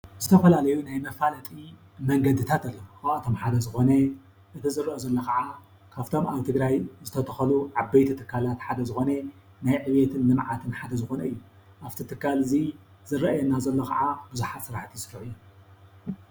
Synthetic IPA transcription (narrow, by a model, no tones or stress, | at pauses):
zɨt̪ʰɐfɐlalɐjunajmɐfalɐt̪ʼi | mɐŋɡɐd̪ɨt̪ʰat̪ɐlːoxawat̪ʰomħad̪ɐzɨxo̞nɐ | ʔɨt̪ʰizɨrːɐʔozɐlːokʰɐʕa | kʰaft̪ʰo̞maβt̪ʰɨɡɾajzɨt̪ʰɐt̪ʰɐxɐluʕabejt̪ʰit̪ʰɨkʰːalat̪ħad̪ɐzɨxo̞ne | najʕɨβet̪ʰɨnːɨmʕat̪ʰɨnħad̪ɐzɨxo̞nɐɨjːu | ʔaβt̪ʰit̪ʰɨkːalɨzi | zɨɾːɐʔjɛnːazɐlːokʰa̰ʕabɨzuħat̪sɨɾaħt̪ʰisɨfuħɨjːu